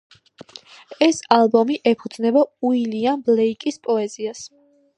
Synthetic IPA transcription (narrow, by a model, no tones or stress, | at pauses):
ɛsalˠbɔmiʔɛpʰud̪znɛbauilianblɛikʼispʼɔɛzias